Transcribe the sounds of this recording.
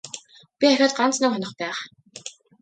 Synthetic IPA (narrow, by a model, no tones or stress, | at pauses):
pʲiχaxʲaːt̪̚ɢant͡snʊ̆kχɔnɞ̆χpæːχ